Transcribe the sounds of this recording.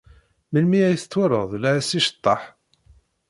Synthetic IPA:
məlmiæjθət͡sːwʊɾˤəðˤlæsiʃə̥t̪ˤːɑħ

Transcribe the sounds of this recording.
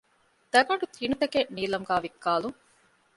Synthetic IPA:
d̪ɐɡɐɳɖut̪ʰinut̪ɐkeniːlɐmɡaːʋikːaːluŋ

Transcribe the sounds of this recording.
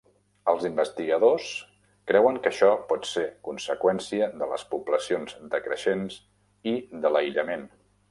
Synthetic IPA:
əlˠzimbəst̪iɣəðos | kɾɛwəŋkəʃɔpɔt̪sekunsəkwɛnsiəðələ̰spubləsionzd̪əkɾə̰ʃenz | iðələiʎəmen

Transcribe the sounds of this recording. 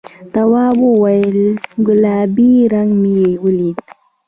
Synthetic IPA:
t̪awabowajlɡulabiɾaŋmiewuli

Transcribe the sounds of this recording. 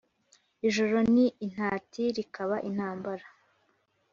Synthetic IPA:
iʒo̞ɾo̞niʔːn̥aːtiɾikaβaʔin̥haːmbaɾa

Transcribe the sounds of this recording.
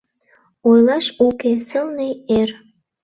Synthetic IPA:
ojlɑʃukesəlneer

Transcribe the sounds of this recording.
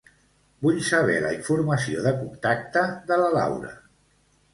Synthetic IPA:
buʎsəβ̞ɛləiɱfuɾməsioðəkumt̪ak̚t̪əðələla̰wɾə̰

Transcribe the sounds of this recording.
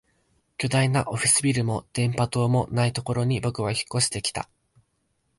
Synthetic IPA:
kʲo̞d̪ainaʔo̞ɸʲisɨbʲiɾɯ̟mo̞d̪̥ẽ̞mpat̪o̞ːmo̞nait̪o̞ko̞ɾo̞ɲ̟ibo̞kɯ̟βaçi̥kːo̞ɕi̥t̪e̞kʲi̥t̪a̰

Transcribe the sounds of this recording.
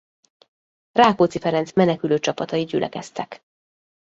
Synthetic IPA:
raːkoːt̪sifɛɾɛnt̪smɛnɛkyløːt͡ʃɒpɒt̪ɒid̪ɟy̰lʔɛ̰kɛst̪ɛk

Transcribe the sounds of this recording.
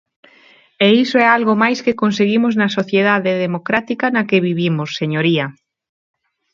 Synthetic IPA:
eisoɛalɣomajskekonseɣimoznɐsoθjeðaðeðemokɾat̪ikanɐkeβiβimʊsːeɲoɾiɐ

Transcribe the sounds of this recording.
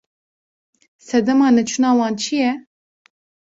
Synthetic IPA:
sɛd̪ɛmɑːnɛt͡ʃʰunɑːwɑːnt͡ʃʰijɛ

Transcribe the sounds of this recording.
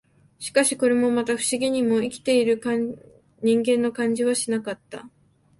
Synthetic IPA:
ɕi̥kaɕi̥ko̞ɾe̞mo̞mat̪aɸɯ̟̥ɕiɡʲiɲ̟imo̞ikʲi̥t̪e̞iɾɯ̟ka | ɲ̟ĩŋɡẽ̞nːo̞kãɲ̟d͡ʑiβaɕinakat̪ːa̰

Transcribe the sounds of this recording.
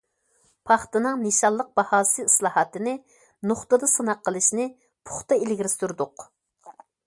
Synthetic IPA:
pʰɑχt̪ɨnɨŋneʃɑlˠːəq̚b̥ɑhɑːsɨislˠɑːhɑt̪ɨnɪ | noχt̪ɨd̪ɑsɨnɑqːəlˠɨʃnɪ | pʰʊ̥χt̪ɑelɡʲiɾɪst̪uɾd̪ʊq

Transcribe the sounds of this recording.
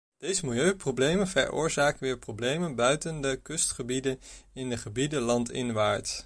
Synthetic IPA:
d̥ejzəmɪlˠjøɥprowblejmənvɛ̰ɹʊ̰ːɹzaːkəʋɪːɹproblejmənbœɥtəndəkɵstχəbidənɪndəχəbidəlɑntʰɪ̰nʋaːɹt

